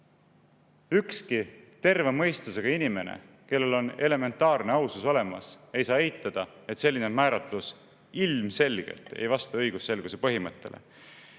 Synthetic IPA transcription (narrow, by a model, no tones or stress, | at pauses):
ykskit̪e̞rve̞mɤ̞jst̪luse̞ɡ̥ɑinime̞nḛ | ke̞lːe̞lo̞ne̞le̞me̞nt̪ːˑɑːrneɑwsuso̞le̞mɑsejsɑːe̞jt̪ːˑɑd̪̥ɑe̞t̪se̞lʲːinemæːɾɑt̪lus | ilmse̞lɡ̥ḛlt̪e̞̰jvɑst̪ɑɤjɡ̥usːe̞lɡ̥use̞pɤɦimɤt̪ːe̞̰lʔe̞̰